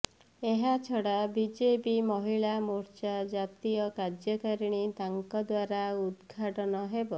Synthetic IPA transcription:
eɦat͡ʃʰɔɽabid͡ʒepimɔɦiɭamuɾt͡ʃad͡ʒat̪ijɔkad͡ʒjɔkaɾiɽ̃it̪aŋkɔd̪waɾaud̪ɡʱaʈɔnɔɦebɔ

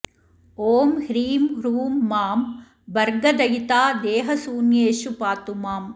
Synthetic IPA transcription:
oːmhɾiːmɾuːmːaːm | bɐɾɡɐd̪ɐjit̪aːd̪eːɦɐsuːnjeːʃupaːt̪umaːm

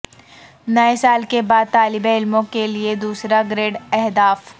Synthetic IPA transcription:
nɐesaːlkebaːd̪̚t̪aːlɪbeɪlmõkelied̪uːsɾaɡɾeːɖɛɦd̪aːf

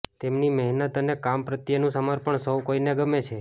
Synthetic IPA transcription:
t̪emnimɛɦnət̪ənekampɾət̪jənũsəməɾpəɳsəwkoineɡəmet͡ʃʰe

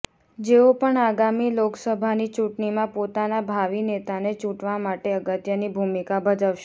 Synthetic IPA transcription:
d͡ʒeopəɳaɡamiloksəbʱanit͡ʃũʈɳimãpot̪anabʱaʋinet̪anet͡ʃũʈʋamaʈeəɡət̪jənibʱumikabʱəd͡ʒaʋʃe

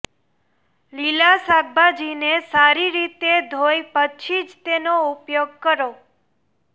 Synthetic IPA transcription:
lilasaɡ̚bad͡ʒinesaɾiɾit̪ed̪ʱojpət͡ʃʰid͡ʒt̪enoupjoɡ̚kəɾo

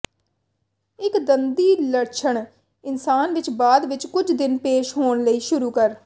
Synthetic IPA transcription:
ɪkd̪ənd̪iːləɽt͡ʃʰəɳ | ɪnsaːnʋɪt͡ʃbaːd̪ʋɪt͡ʃkʊd͡ʒd̪ɪnpeːʃɦoːɳləiːʃʊɾuːkəɾ

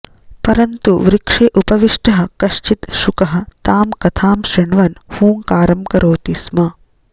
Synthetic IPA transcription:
pɐɾɐnt̪uʋɾikʂeːʔupɐʋiʂʈɐɦɐ̆kɐʃt͡ʃit̪ʃukɐɦɐ̆t̪aːmkɐt̪ʰaːmʃɾiɳʋɐnhuːŋkaːɾɐmkɐɾoːt̪ismɐ

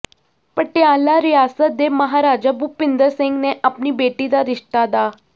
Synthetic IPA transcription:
pəʈjãlaɾijaːsət̪̚d̪emɐɦaɾaːd͡ʒabupɪ̃nd̪əɾsɪ̃ŋɡneʔapnibeːʈid̪aɾɪʂʈ̪ad̪aː

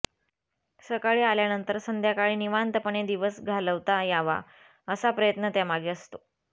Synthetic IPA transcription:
səkaɭiːaljanənt̪əɾsənd̪ʱjakaɭiːniʋant̪əpəɳed̪iʋəsɡʱaləʋt̪ajaʋa̰ | əsapɾəjət̪nət̪jamaɡeəst̪o

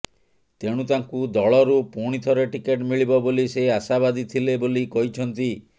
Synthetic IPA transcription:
t̪eɽ̃ut̪aŋkud̪ɔɭɔɾupuɽ̃it̪ʰɔɾeʈikeʈmiɭibɔboliseasabad̪it̪ʰilebolikɔɦit͡ʃʰɔnt̪i

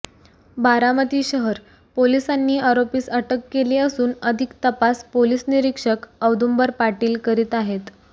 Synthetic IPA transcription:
baɾamət̪iːɕəɦəɾ | polisanːiːaɾopiːsəʈəkːeleəsuːnəd̪ʱikt̪əpaspolisniɾikʂəkəwd̪umbəɾpaʈiːlkəɾiːt̪aɦet̪

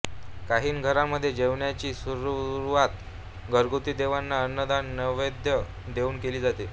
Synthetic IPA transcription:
kaɦiːnɡʱəɾaməd̪ʱːjed͡ʑeʋɳjat͡ɕiːsuɾuɾuʋat̪ | ɡʱəɾɡut̪iːd̪eʋanːaənːəd̪anːəʋed̪ʱjə | d̪euːnkeliːd͡zat̪e

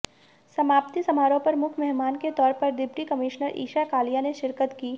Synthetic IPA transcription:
sɐmaːpt̪isɐmaːɾõpɐɾmʊkʰmɛɦmaːnket̪ɔːɾpɐɾd̪ɪbʈikɐmɪʃnəɾʔḭːʃakaːlijaneʃɪɾkət̪kiː

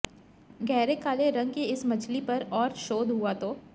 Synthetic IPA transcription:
ɡɛːɾekaːleɾɐ̃ŋɡ̚kiɪsmɐt͡ʃʰlipɐɾɔːɾʃoːd̪ɦuat̪ʰoː

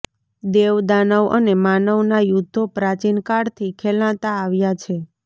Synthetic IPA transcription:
d̪eʋd̪anəʋə̰nemanəʋnajud̪ʱːopɾat͡ʃinkaɽt̪ʰikʰɛlãt̪aːʋjat͡ʃʰe

